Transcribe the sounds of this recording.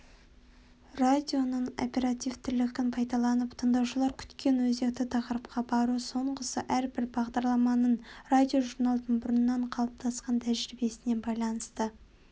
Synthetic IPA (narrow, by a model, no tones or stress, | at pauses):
rad̪ʲijo̞nəɴo̞̰pe̞ɾat̪ijvt̪ʰʏɾlɪkʲɪnpʰɑjd̪ɑlˠɑnəpt̪ʰənd̪ɑwʃəlˠɑɾkʲʰʏ̥t̪kʲe̞nwɵze̞k̚t̪ɪt̪ʰɑqəɾəp̚qɑbɑɾuso̞ɴqəsəʔæɾbɪɾbɑʁd̪ɑɾlˠɑmɑnəɴrad̪ʲijo̞ʒuɾnalˠd̪əɴbʊɾnnːɑɴqʰɑlˠəp̚t̪ʰɑsqɑnt̪ʰæʒɾɪbe̞sɪne̞nbɑjlˠɑnəst̪ə